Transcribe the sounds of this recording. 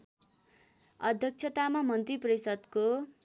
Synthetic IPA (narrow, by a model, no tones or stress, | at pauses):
ʌd̪ʱjʌk̚t͡sʰʌt̪amamʌnt̪riprisʌd̪ko